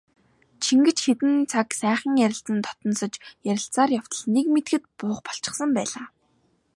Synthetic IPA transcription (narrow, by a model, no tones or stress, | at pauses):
t͡ɕʰiŋɡɘ̆t͡ɕxet̪ɘ̆nt͡sʰaksæːχə̆ŋjæɾʲɪ̆ɬt͡sə̆nt̪ʰɔ̥t̪ɞ̆nsɞ̆t͡ɕjæɾʲɪ̆ɬt͡saːrjaw̥t̪ə̆ɮnekmet̪ɡɘ̆t̪̚pʊːχpɔ̥ɬt͡ɕɪ̥̆χsə̆mpæːɮaː